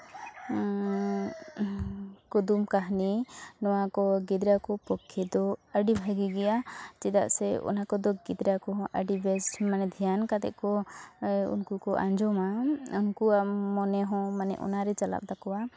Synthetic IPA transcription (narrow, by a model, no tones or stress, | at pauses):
kud̪umkaɦninɔwakɔɡid̪ɾakɔpɔkʰːɛd̪ɔəɖibʱaɡiɡɛjat͡ʃɛd̪a̰ʔsɛɔ̰nakɔd̪ɔɡid̪ɾakɔɦɔ̃ʔəɖibɛsmanɛd̪ʱijankat̪ɛ̰ʔkɔ | ṵnkukɔʔã̰ɲd͡ʒɔmaunkuamɔnɛɦɔ̃manɛ̰ʔɔ̰naɾɛt͡ʃala̰p̚d̪akɔwa